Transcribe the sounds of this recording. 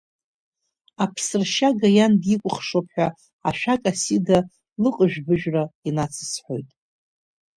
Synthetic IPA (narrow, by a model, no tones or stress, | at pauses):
apʰsɨrʃaɡajandikʷʼʊχʂopʰħʷᶣa | aʃᶣakʼasida | lɨqʼəʒᶣbɨʒᶣrainat͡sʰɨ̥sħo̞jtʼ